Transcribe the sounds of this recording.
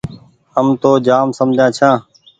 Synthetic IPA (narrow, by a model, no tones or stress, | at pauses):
həmt̪oːd͡ʒaːmsəmd͡ʒʱãːt͡ʃʰãː